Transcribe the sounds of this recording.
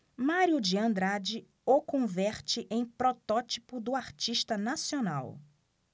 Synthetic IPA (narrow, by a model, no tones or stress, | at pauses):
maɾiʊd͡ʒiɐ̃nd̪ɾad͡ʒɪ | okõvɛɾt͡ʃɪʔẽj̃pɾɔt̪ɔt͡ʃipʊd̪ʊaɾt͡ʃiʃt̪ɐnasiona̰w